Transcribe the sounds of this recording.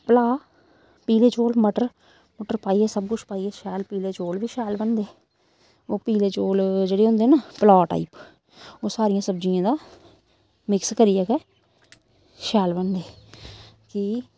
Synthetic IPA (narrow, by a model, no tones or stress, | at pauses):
pəlaː | piːleːt͡ʃoːlməʈəɾ | məʈəɾpaːiːɛːsəb̚kʊt͡ʃʰpaːiːɛːʃɛːlpiːleːt͡ʃoːlʋiːʃɛːlbənd̪eː | oːpiːleːt͡ʃoːld͡ʒeːɽeːɦʊ̃nd̪eːnaːpəlaːʈa̰ːiːp | oːsaːɾɪjãːsəbd͡ʒijãːd̪aː | mɪkskəɾijɛːkɛː | ʃɛːlbənd̪eː | ki